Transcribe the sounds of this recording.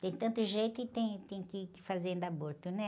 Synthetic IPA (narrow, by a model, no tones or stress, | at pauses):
t̪ẽj̃t̪ɐ̃nt̪ʊʒejt̪ʊɪt̪ẽj̃t̪ẽj̃kɪkɪfazeẽnd̪aboɾt̪ʊnɛ